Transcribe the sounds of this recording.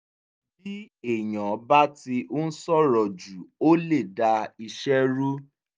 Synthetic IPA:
bi˦ | e˨j̃ɔ̃˨˦ba˦ti˧ʔo˦n̩˦sɔ˦ɾɔ˨d͡ʒu˨o˦le˦˨da˧i˧ʃɛ˦ɾu˦

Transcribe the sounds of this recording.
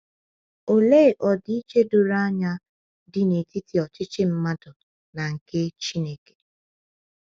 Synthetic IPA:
o˨le˦˨ʔɔ˨di˦i˦t͡ʃe˦dʊ˨ɾa˦ɲa˦ | dɪ˨ne˨ti˦ti˨ɔ˨t͡ʃɪ˦t͡ʃɪ˦m̩˦ma˦dʊ˨ | na˨ŋ̩˨ke˦t͡ʃi˦ne˦ke̥˨

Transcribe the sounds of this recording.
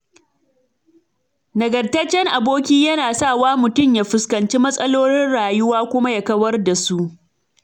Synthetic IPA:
nɐ˨ɡɐ˨rtɐ˦t͡ʃːɛ˦ŋʔa˨boː˦kʲiː˦jɐ˦naː˨saː˦˨waː˦mʊ˨tʊ˦˨mjaː˦ɸɪ˨skɐ˨nt͡ʃiː˦mɐ˦sʼɐ˦loː˦ɽɪ˦nɽaː˨jʊ˦waː˦kʷʊ˦ma˦ja˨kɐ˦wɐ˦rda˨su˦ʔ

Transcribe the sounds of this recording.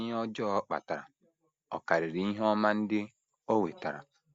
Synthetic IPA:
e˦ɔ˦d͡ʒɔ˦k͡pa̰˨ta˨ɾa̰˨ | ɔ̰˨ka˨ɾɪ˨ɾi˨˦i˦ɦe˦ɔ˦ma˦n̩˦dɪ˦ | o˦we˨ta˨ɾa̰˨

